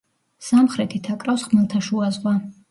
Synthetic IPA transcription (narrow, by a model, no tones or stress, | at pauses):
samχɾɛt̪ʰit̪ʰakʼɾawsχmɛlˠt̪ʰaʃuazʁwa